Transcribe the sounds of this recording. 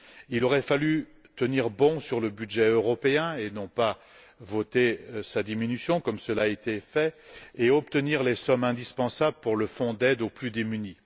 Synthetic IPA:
ilɔʁɛfaly | t̪əniʁbɔ̃syʁləbyd̪ʒɛøʁɔpeɛ̃enɔ̃pa | vot̪esad̪iminysjɔ̃kɔmsəlaet̪efɛeɔp̚t̪əniʁlesɔmɛ̃d̪ispɑ̃sabləpuʁləfɔ̃d̪ɛd̪oplyd̪emyni

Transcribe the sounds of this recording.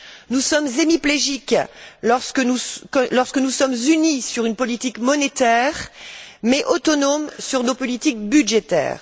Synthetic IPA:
nusɔmzemipleʒiklɔʁskəuklɔʁskənusɔmzynisyʁynpɔlit̪ikmɔnet̪ɛʁmɛʔot̪ɔnomsyʁnopɔlit̪ik̚byd̪ʒet̪ɛ̰ːʁ

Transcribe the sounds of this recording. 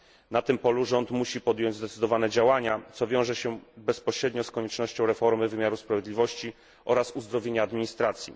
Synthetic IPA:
nat̪ɘmpɔluʐɔnt̪muɕipɔd̪ʲjɔɲd͡ʑzd̪ɛt̪sɘd̪ɔvanɛd͡ʑawaɲat̪sɔvʲjɔ̃w̃ʐɛɕɛbɛspɔɕɾɛd̪ɲɔskɔɲɛt͡ʂnɔɕt͡ɕɔ̃w̃ɾɛfɔɾmɘvɘmʲjaɾuspɾavʲjed̪lʲivɔɕt͡ɕi | ʔɔɾasuzd̪ɾɔvʲjeɲaːd̪mʲiɲist̪ɾat̪sʲjḭ

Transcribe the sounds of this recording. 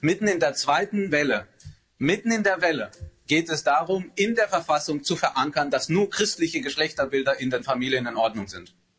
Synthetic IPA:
mɪtn̩ɪndeːɐt͡sv̥aɪtn̩vɛlə | mɪtn̩ɪndeːɐvɛləɡ̥eːtɛsd̥aːʁʊmɪndeːɐfɛɐfasʊŋt͡sufɛɐʔaŋkɐndasnuːɐkʁ̥ɪstlɪçəɡəʃlɛçtɐbɪldɐʔɪndeːnfamiːljənɪnʔɔɐdnʊŋzɪnt

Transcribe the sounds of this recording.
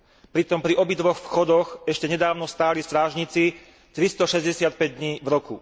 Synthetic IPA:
pɾit̪ɔmpɾiʔɔbid̪ʋɔxfxɔd̪ɔxɛʃcɛɲɛd̪aːʊnɔst̪aːlist̪ɾaːʒɲit͡si | t̪ɾist̪ɔʃɛzɟɛsɪat̪̚pɛɟd̪ɲiːvɾɔkṵ

